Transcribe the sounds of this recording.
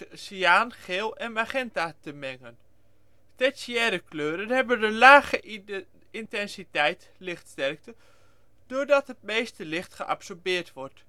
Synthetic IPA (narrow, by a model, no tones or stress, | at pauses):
siaːnχɪːlˠɛnmaχɛntatəmɛŋən | tɛsjɛːɾəkløːɾənhɛbəndəlaːχə | intɛnsitɛjt | lɪxtstɛrk̚tə | d̥ordɔtɦət̚meːstəlɪχtχəʔa̰psɔrbɪːrtʋɔrt